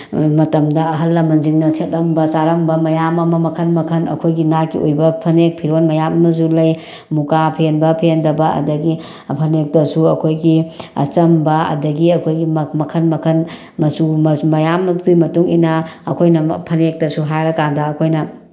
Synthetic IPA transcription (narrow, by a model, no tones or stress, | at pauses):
mɐtɐmdɐɐɦɐlːɐmɐnd͡ʒiŋnɐset̚lɐmbɐt͡ʃaɾɐmbɐmɐjamɐmɐmɐkʰɐnmɐkʰɐnɐ̰kʰojɡinakːiojbɐpʰɐnek̚pʰiɾonmɐjamɐmɐs̬ulɐj | mukapʰenbɐpʰendɐbɐɐ̰dɐɡi | pʰɐnek̚tɐsuɐkʰojɡiɐ̰t͡ʃɐmbɐɐ̰dɐɡiɐkʰojɡimmɐkʰɐnmɐkʰɐn | mɐsumɐjamtujmɐtuŋḭnaːkʰojnɐpʰɐnek̚tɐsuɦajɾɐkandɐːkʰojnɐ